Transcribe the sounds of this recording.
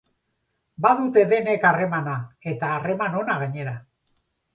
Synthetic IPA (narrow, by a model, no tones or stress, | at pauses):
baðut̪e̞ðe̞ne̞kare̞manae̞t̪aːre̞mano̞naɣ̞aɲe̞ɾa